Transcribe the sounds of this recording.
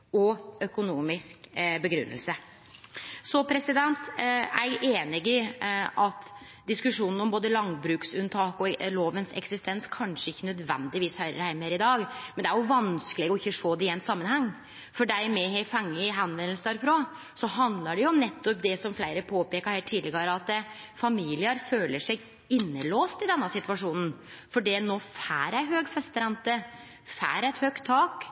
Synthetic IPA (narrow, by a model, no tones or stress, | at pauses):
ɔœkʊnuːmɪskbəɡɾʉ̰nːə̰lsə | sɔpʰɾɛsɪd̪ɛnt̪æ̰ɪɡʔeːnɪɡɪʔɑt̪ | d̪ɪskʉʂuːnn̩ɔmboːd̪əlɑŋbɾʉːksʉnt̪ʰɑːkɔloːʋənsɛ̰ksɪst̪ʰɛnskʰɑnʂəɪçːənœd̪ʋɛ̰nd̪ɪʋiːshœʏɾə̰ɾhæɪməɾɪd̪ɑːɡmɛnd̪ɛæɾjʊʋɑnskəlɪɡɔɪçːəʂoːd̪ɛɪɛɪnsɑmːənhɛŋː | fɔɖæɪmɛɦɛfɛŋːəɦɛnʋɛnəlsəd̪æːɾɪfɾoː | sɔɦɑnd̪ləɖɛjʊʊmnɛt̪ʰːɔp̚d̪ɛsɔmflæɪɾəpʰoːpeːkɑɾhæːʈʰiːlɪɡɑɾɑt̪ːə | fɑmiːlɪəɾføːləʂɛ | ɪnːəloːst̪ɪd̪ɛnːəsɪt̪ʉʋɑʂuːnn̩ | fɔɖinoːfæ̰ːɾæɪɦøːɡfɛst̪əɾɛnt̪ə | fæ̰ːɾæɪt̪hœkt̪ʰːɑːk